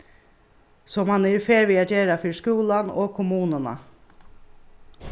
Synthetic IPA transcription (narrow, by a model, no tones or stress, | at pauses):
sɔmhanɛɾfeːɾʋiːad͡ʒeːɾafʏɹskuːlano̰ːɡkʰʊmuːnəna̰